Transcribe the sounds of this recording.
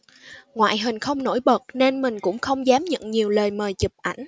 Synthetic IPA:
ŋwa̰ː˧˨jɦï˨˩ŋ̟xə˧wŋ͡mno̰˧˥jɓə˨˩t̚ne˧nmï˨˩ŋ̟kʊ̰˧˥ŋ͡mxə˧wŋ͡mzaː˨˦mɲə̰˧˨ŋɲi˨˩əwləː˨˩jməː˨˩jt͡ɕɨ˨˩p̚ʔa˧˩jŋ̟

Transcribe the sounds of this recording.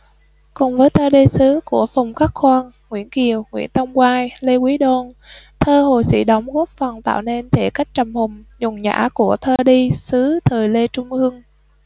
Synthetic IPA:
kʊ˨˩ŋ͡mvəː˨˦jt̪ʰəː˧ɗi˧sɨ˨˦ku˧˩əfa˨˩wŋ͡mkaː˦˥k̚xwaː˧ŋ | ŋwḭ˧˥ənki˨˩əwŋwḭ˧˥ənt̪ə˧wŋ͡mkwaː˧jle˧kwi˨˦ɗo˧nt̪ʰəː˧ɦo˨˩jsḭ˧˥ɗə˨˦wŋ͡mɣu˦˥k̚fə˨˩nt̪a̰ː˧˨wne˧nt̪ʰe˧˩ka˦˥jk̟̚t͡ɕə˨˩mhʊ˨˩ŋ͡mɲʊ˨˩ŋɲa̰ː˧˥ku˧˩ət̪ʰəː˧ɗi˧sɨ˨˦t̪ʰəː˨˩jle˧t͡ɕʊ˧ŋ͡mʔɨ˧əŋ

